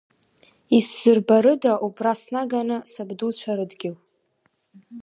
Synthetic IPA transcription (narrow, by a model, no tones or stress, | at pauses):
isz̥ɨrbaɾɨdaʔubrasnaɡanɨsabdut͡ɕʷʰaɾɨdɡʲɪl